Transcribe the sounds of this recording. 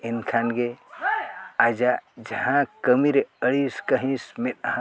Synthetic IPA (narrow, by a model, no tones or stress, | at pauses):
inkʰanɡe | ad͡ʒad͡ʒɐɦãkəmiɾeəɽiskəɦĩsmet̪ɐɦã